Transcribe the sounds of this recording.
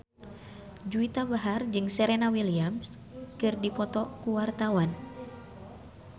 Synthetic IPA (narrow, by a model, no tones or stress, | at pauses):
d͡ʒuit̪abaɦard͡ʒɨŋsɛɾɛnawiliams | kɨrdipɔt̪ɔkuwart̪awan